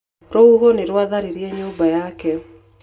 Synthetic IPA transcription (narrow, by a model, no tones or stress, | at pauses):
ɾouɦoneɾwaðaɾiɾjɛɲoːmbajakɛ